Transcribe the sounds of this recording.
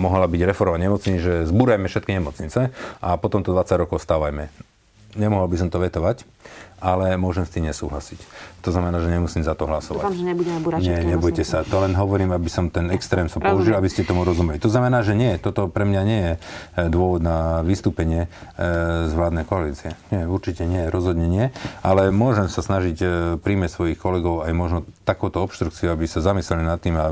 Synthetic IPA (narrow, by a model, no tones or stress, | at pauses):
mɔɦlabiɟɾɛfɔɾʋaɲɛmɔt͡sɲiʒɛzbuːɾajmɛfʃɛt̪̚kiɲɛmɔt͡sɲit͡sɛʔapɔt̪ɔmt̪ɔd̪ʋat͡saɟɾɔkɔʊst̪aːʋajmɛ | ɲɛmɔɦɔlbis̬ɔmt̪ɔʋɛt̪ɔʋac | ʔalɛmʊɔʒɛmst̪iːmɲɛsuːɦlasict̪ɔznamɛnaːʒɛɲɛmusiːmzat̪ɔɦlasɔʋa̰ɲɛbuɛɛbɲɛɲɛbɔjcɛsat̪ɔlɛnɦɔʋɔɾiːmabisɔmt̪ɛnɛkst̪ɾɛːmsapɔuʒilabiscɛt̪ɔmuɾɔzumɛlit̪ɔznamɛnaːʒɛɲɪɛɛt̪ɔt̪ɔpɾɛmɲaɲɪɛjɛd̪ʊɔʋɔd̪naʋist̪uːpɛɲɪɛ | zʋlaːd̪nɛjkɔaliːt͡siɛɲɪɛuɾt͡ʃicɛɲɪɛjɛɾɔzɦɔd̪ɲɛɲɪɛʔalɛmʊɔʒɛmsasnaʒicpɾimɛcsʋɔjixkɔlɛɡɔʊajmɔʒnɔt̪akuːt̪ɔɔpʃt̪ɾukt͡siuabisazamislɛlinat̪ːiːma